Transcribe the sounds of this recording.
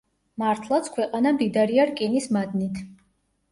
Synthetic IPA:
maɾt̪ʰlˠat̪sʰkʰwɛqʼanad̪id̪aɾiaɾkʼinismad̪nit̪ʰ

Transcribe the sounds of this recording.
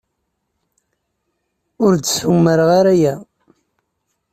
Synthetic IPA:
ʊɾd̪sumːəɾʁaɾæjæ

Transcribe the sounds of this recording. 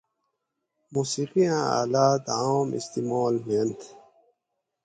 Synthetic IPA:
muːsiqijãa̰ːlaːt̪aːmḭst̪imoːlment̪ʰ

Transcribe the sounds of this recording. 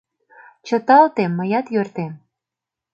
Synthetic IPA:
t͡ɕə̆t̪ɑlt̪emːəjɑt̪jørt̪em

